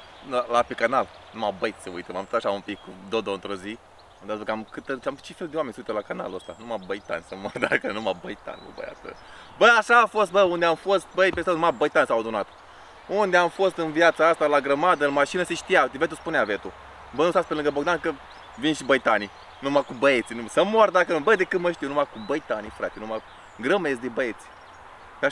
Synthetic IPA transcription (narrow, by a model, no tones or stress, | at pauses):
alapekanal | numabəjt̪səṵjt̪əmamt̪ot̪aʃaumpikːud̪od̪oɨnt̪ɾozi | amd̪asbəkamkɨt̪ət͡ʃamt͡ʃe̞feld̪eowamenʲsəuijt̪əlakana̰luəst̪a̰numabəjt̪a̰nʲsənmad̪a̰kənuma̰bəjt̪a̰nmə̰bə̰ja̰st̪ə̰ | bəaʃaːfo̞st̪̚bəund̪eamfost̪̚bəjpesanumabəjt̪ansawad̪onat̪ | und̪eamfost̪ɨnviat̪saast̪alaɡɾəmad̪əɨnmaʃinəseʃt̪ijat̪evet̪uspuneavet̪u | bənust̪aspelɨŋɡəboɡd̪ankə | vinʃibəjt̪ani | numakubəet̪sʲinusəmord̪akənbəjd̪ekɨt̪məʃt̪ijwnumakubəjt̪anifɾa̰t̪enuma | ɡɾəmesd̪ebəet̪sʲi̥ | ʃa